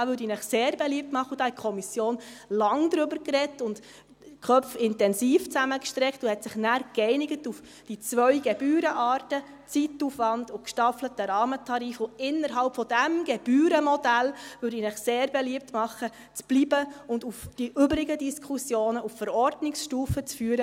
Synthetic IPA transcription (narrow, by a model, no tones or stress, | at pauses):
ɑːʋʏɾdinəχseːɾbeliəp̚tmɑχːəʊd̥ɑːhɛt̚kʰɔmisjoːnlɑŋd̥̪ɾʏbəɾkrɛtʊnd | kʰœp͡fɪntɛnsiːft͡sæməkʃtɾɛktʊhɛtsɪχnæːɾkɛɪnɪɡətuf | d̥it͡svœʏɡ̥eb̥yːɾəʔɑːrtə | t͡sitːufʋɑndʊkʃtɑflətəɾɑːmətʰɑɾifʊɪnːəɾɦɑlpfɔd̥æmɡ̥ɛb̥yːɾəmɔd̥ælʋʏɾdinəχseːɾbɛliəp̚tmɑχːə | t͡sb̥libəʊndufd̥iʔʏbɾɪɡədiskʰusjoːnəuffəɾɔɾdnɪksʃtuːfət͡sfyːəɾə